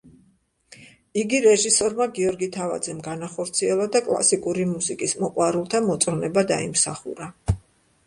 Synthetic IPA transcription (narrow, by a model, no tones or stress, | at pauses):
iɡiɾɛʒisɔɾmaɡiɔɾɡit̪ʰava̰d̪zɛmɡanaχɔɾt̪sʰiɛlˠad̪akʼlˠa̰sikʼuɾimusikʼismɔqʼwaɾulˠt̪ʰamɔt̪sʼɔnɛbad̪a̰imsaχṵɾa